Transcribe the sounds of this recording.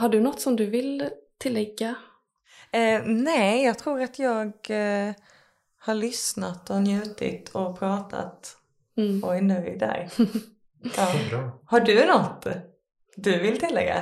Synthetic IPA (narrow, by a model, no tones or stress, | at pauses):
haɖɵnɔt̪ːsɔmd̪ɵvɪlt̪ʰɪlːɛɡːa | nɛjɑːɡ̚t̪ʰɾuːɾat̪ʰjɑːɡ | haɭʏsnat̪ɔnjʉ̟ːt̪ɪ̰t̪ʰɔpʰɾɑːt̪ʰa̰t̪ | ɔɛnœjd̪ɛ̰ɾ | ɑhaɖɵnɔt̪ː | d̪ɵvɪlt̪ʰɪlːɛ̰ɡːa̰